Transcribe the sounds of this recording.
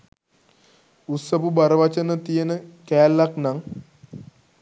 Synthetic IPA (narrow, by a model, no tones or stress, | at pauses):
usəpubaɾəʋat͡ʃənət̪ijənəkɛːlːaknaŋ